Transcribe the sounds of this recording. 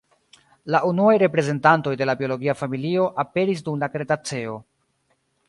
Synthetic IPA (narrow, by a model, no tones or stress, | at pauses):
laʔunuajɾe̞pɾe̞ze̞ntanto̞jde̞labio̞lo̞ɡiafamilio̞ʔape̞ɾis̬dumlakɾe̞tat͡se̞o̞